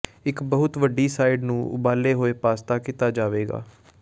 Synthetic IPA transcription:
ɪkbəɦʊt̪ʋəɖːiːsaːɪɖnũːʔʊ̰baːleːɦoːeːpaːst̪aːkit̪aːd͡ʒaːʋeːɡa̰ː

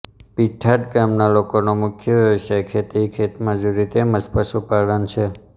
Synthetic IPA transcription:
piʈʰaʈɡamnalokonomʊkʰjəʋjəʋəsajkʰet̪ikʰet̪mãd͡ʒuɾit̪eməspəsupalənt͡ʃʰe

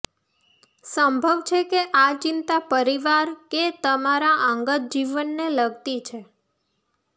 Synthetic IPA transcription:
sə̃mbʱəʋt͡ʃʰekeʔat͡ʃint̪apəɾiʋaɾket̪əmaɾaʔə̃ŋɡət̪̚d͡ʒiʋənːeləɡt̪it͡ʃʰe

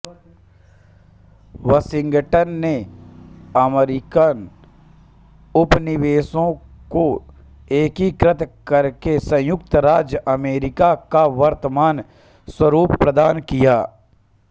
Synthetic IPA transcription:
ʋəsɪ̃ŋɡʈənːe | əmɾɪkan | ʊpnɪʋeːsõko | eːkikɾɪt̪ʰkəɾkesə̃jʊk̚t̪ɾaːd͡ʒjəʔɐmeːɾɪkakaʋɐɾt̪əmaːn | swəɾuːpːɾəd̪aːnkijaː

